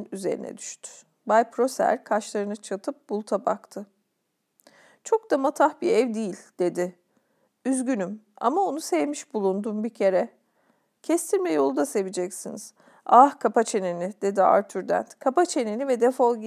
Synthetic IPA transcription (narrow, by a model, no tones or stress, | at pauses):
nyze̞̰ɾḭnɛ̰d̪y̥ʃt̪ʰy̥ | bajpʰɾo̞sæ̰ɾkʰaʃlˠaɾɯnɯt͡ʃʰat̪ʰɯp̚bulˠt̪ʰaba̰kt̪ʰɯ | t͡ʃʰo̞k̚d̪amat̪ʰaxbiɛvd̪ijilʲd̪̥e̞d̪ɪ | yzɟynym | a̰mao̞nusɛvmiʃbulˠund̪umbicʰe̞ɾɛ | cʰɛst̪ʰiɾmɛjo̞lˠd̪ase̞vid͡ʒɛcsiniz̥ | ahkʰapat͡ʃʰe̞nenɪd̪̥e̞d̪ia̰ɾt̪ʰyɾd̪æ̰nt̪kʰapat͡ʃʰe̞nenivɛd̪efolˠi